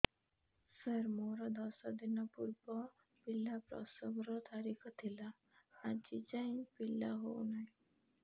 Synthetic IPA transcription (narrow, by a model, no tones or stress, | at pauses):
səɾmoɾɔd̪ɔsɔd̪inɔpuɾbɔ | pilːapɾɔ̰sɔbɾɔt̪ʰaɾikʰɔt̪ʰila | at͡ʃit͡ɕaĩpilːaɦo̰unai